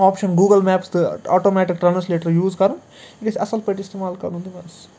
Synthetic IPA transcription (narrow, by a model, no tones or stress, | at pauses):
aːpʃɐnɡuːɡɐlmæːpsd̪ɐa̰ːʈoːmɛːʈik̚ʈɾɐnɐsleːʈɐɾjuːzkɐɾɐn | iʈizɐ̰sɐlpɐʈist̪imaːlkɐɾnũnd̪imɛːs